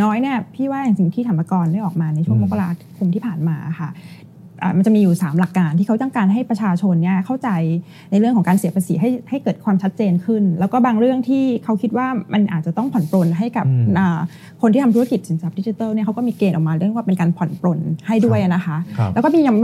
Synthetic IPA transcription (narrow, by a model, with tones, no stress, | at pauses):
nɔː˦˥jni˥˩ɐpʰiː˥˩waː˥˩ja˨˩ŋsi˨˩ŋt̪ʰiː˥˩t̪ʰa˧˩ma˧kɔː˧ndaː˥˩jʔɔː˨˩k̚maː˧na˧jt͡ɕʰu˥˩əŋmo˦˥kːa˧laː˧kʰu˧mt̪ʰiː˥˩pʰaː˨˩nmaː˧ʔa̰˨˩xʰa˥˩ | ʔa̰ː˨˩ma˧nt͡ɕa˨˩miː˧juː˨˩saː˩˦mla˨˩kːaː˧nt̪ʰiː˥˩kʰt͡ɕa˥˩ŋkaː˧nɦa˥˩jpɾa˧t͡ɕʰaː˧t͡ɕʰo˧nːi˥˩ɐkʰa˥˩wt͡ɕa˧j | na˧jɾɯ˥˩əŋkʰɔ˩˦ŋkaː˧nsi˨˦pʰa˧si˩˦ɦa˥˩jha˥˩jkɤː˨˩t̪̚kʰwaː˧mt͡ɕʰa˦˥t̪̚t͡ɕeː˧nkʰɯ˥˩nlɛː˦˥wkɔː˥˩baː˧ŋɾɯ˥˩əŋt̪ʰiː˥˩kʰa˦˥wkʰi˦t̪̚waː˥˩ma˧nʔaː˨˩t̪̚t͡ɕa˨˩t̪ɔ˥˩ŋpʰɔ˨˩˦npɾo˧nɦa˥˩jka˨˩p̚ʔaː˨˩ | kʰo˧nt̪ʰi˥˩a˧mt̪ʰa˧ki˨˩so˨˩˦ŋt͡ɕa˨˩p̚di˦˥t͡ɕi˧˩t̪ɤː˥˩ni˥˩kʰa˦˥wkɔː˥˩miː˧keː˧nʔɔ˨˩kmaː˧ɾɯ˥˩˨ŋ˦waː˥˩pe˧nkaː˧npʰɔ˨˩˦npɾo˧nha˥˩jdu˥˩əjʔa˨˩na˦˥kʰa˦˥lɛː˦˥kɔ˥˩miː˧ja˧